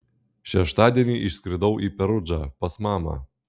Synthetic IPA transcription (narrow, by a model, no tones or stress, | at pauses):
ʃʲɛʃt̪ɑːd̪ʲiɛnʲiːʔɪʃsʲkɾʲɪd̪ɐʊʔiːpʲɛɾʊd͡ʒɑːpɐsmɑːmɑ̰ː